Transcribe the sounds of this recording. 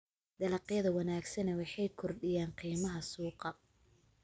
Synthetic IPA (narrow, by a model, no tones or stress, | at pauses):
d̪ɐlɑqjɐðɐwɑnaːɡsɐnɛwɑħɑjkʰɔrɖɪjaːnqiːmɐɦɐsuːqɑ